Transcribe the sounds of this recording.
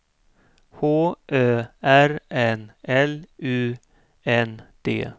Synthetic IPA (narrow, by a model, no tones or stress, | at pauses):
hoːʔøːæɾɛnʔɛlʉː | ɛnd̪̥ḛː